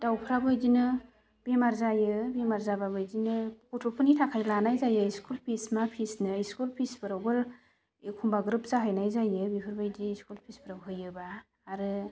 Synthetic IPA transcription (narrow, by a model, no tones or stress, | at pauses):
d̥awpʰɾabɯjdinɯ | b̥emaɾzajɯbemaɾzababɯjdinɯkutʰopʰɯnitʰakʰajlanajzajɯiskulpʰismapʰisnɯiskulpʰisbɯɾawɡɯl | ekʰumbaɡɾɯp̚zaɦajnajzajɯbipʰɯɾbɯjdiːskulpʰisbɯɾawɦɯjɯbaː | ɾɯ